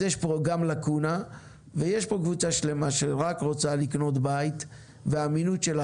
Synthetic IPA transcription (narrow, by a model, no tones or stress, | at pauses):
jeʃpoɡamlakuna | vejeʃpo̞kvut͡saʃle̞maʃeʁakʁo̞t͡salikno̞t̪bait̪ | veaminutʃela